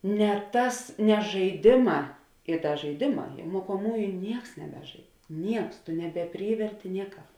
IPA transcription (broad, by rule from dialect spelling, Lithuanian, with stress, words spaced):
nʲɛ ˈtɐs nʲɛ ʒɐɪˈdʲeːˌmɑː ɪ ˈdɐ ʒɐɪˈdʲeːˌmɑː jɛ moːkoːˈmuːjʊ ˈnʲiɛks nʲɛˈbʲæːˌʒɐɪt ˈnʲiɛks nʲɛbʲɛˈpʲrʲiːʋʲɛrʲtʲɪ nʲiɛˈkɑːp